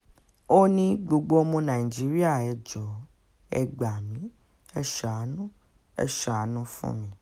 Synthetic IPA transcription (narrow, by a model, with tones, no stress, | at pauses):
o˦nĩ˦ɡ͡bo˧ɡ͡bo˦mõ˧nã˨i˨d͡ʒi˨˦ɾi˦a˦˨ɛ˨d͡ʒɔ˨ | ɛ˧ɡ͡ba˨mĩ˨˦ | ɛ˦ʃa˨˦nũ˦ | ɛ̰˦ʃa˨˦nũ˦fṵ̃˦mĩ˧